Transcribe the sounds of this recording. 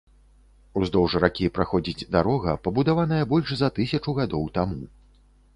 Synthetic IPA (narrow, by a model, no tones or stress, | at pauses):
uzd̪ɔwʐɾakʲipɾaxɔd͡zʲid͡zʲd̪aɾɔɣɐpɐbud̪avanɐjɐbɔlʲʂzɐt̪ɨsʲɐt͡ʂuɣad̪ɔwt̪amu